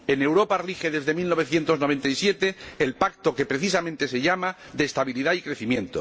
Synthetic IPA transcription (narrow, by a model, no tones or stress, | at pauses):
e̞ne̞wɾo̞parixe̞ðe̞zðe̞milno̞β̞e̞θje̞nt̪onoe̞nt̪aisje̞t̪e̞ːlpakt̪o̞ke̞pɾe̞θisamẽnt̪e̞se̞ʝama | ðeːst̪aβiliðaikɾe̞θimjẽ̞nt̪o